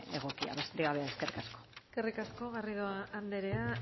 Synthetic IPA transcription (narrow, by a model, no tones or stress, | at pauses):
eɣo̞kia̰βest̪eɣaβeaeskerikasko̥skerikasko̞ɣariðoaʔand̪eɾea